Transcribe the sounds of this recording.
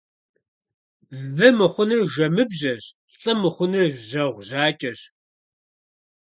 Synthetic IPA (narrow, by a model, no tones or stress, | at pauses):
vɨmɨχʷʊnɨrʒɐmɨbʑɐɕ | ɬʼɐmɨχʷʊnɨrʑɐʁʷʑaːt͡ʃʼɐɕ